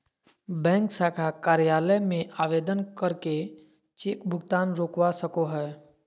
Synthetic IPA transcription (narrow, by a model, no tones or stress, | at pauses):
bɛ̃ːŋksaːkʰakaːɾjaːləjmẽʔaːʋeːd̪ənkəɾke | t͡ʃeːkbʱʊɡt̪aːnɾoːkwasəkoɦɛː